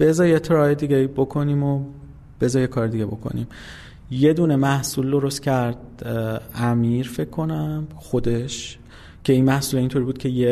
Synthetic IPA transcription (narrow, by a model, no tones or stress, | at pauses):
b̥e̞zɒːjet̪ʰeɾɒːjed̪iːɡʲebo̞kʰo̞niːmo | b̥e̞zɒjekʰɒːɾed̪iɡʲebo̞̰kʰo̰nḭm | je̞d̪uːne̞mæhsuːld̪o̞ɾo̞st̪cʰæɾd̪̚ | æmiːɾfe̞kʰːo̞næm | xo̞d̪e̞ʃ | cʰe̞iːnmæhsuːleint̪ʰoɾibuːd̪̚cʰe̞je